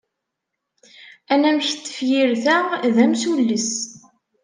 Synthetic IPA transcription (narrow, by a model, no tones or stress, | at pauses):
ænæmçt̪ːə̥fjiɾθæʁðæmsulːis